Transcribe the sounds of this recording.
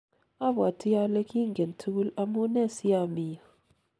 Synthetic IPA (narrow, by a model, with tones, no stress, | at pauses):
a˦bwa˨tʰi˦ja˦le˦kʰi˦ŋɡɛ˨n˨tʰu˦ɡu˦la˦mu˦nɛ˦˨si˦a˦˨mi˦a˨